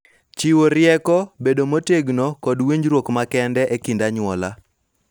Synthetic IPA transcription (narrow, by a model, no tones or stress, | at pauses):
t͡ʃiwoɾɪɛkɔbedomoteɡnɔkɔdweɲd͡ʒɾwokmakɛndɛʔekindaɲwɔla